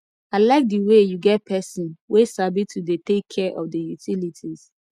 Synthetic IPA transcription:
alaɪk̚diwejuɡɛt̚pʰɛsɔ̃nwesabitʰudetekʰːɛʔɔ̰fdəjutilitʰiz̥

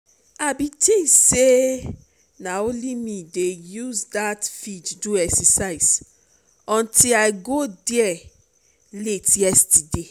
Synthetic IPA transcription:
abitʰĩse | naolimĩdejuzdatfid͡ʒduɛksɛsaɪs | ɔ̃ntʰilaɪɡodɛɛ | letjɛstide

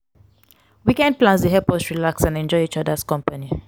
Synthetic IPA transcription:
wikɛ̃nd̚plãns̬deɦɛpɔsɹilaksãnɛ̃nd͡ʒɔɪit͡ʃɔdaskɔ̃mpani

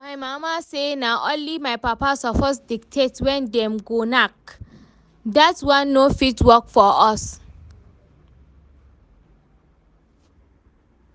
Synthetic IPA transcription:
majmamasenaʔõnlimajpapasɔfɔsdik̚tʰetwɛ̃ndɛ̃mɡonak̚ | datwãnːofitwɔkfɔɔs

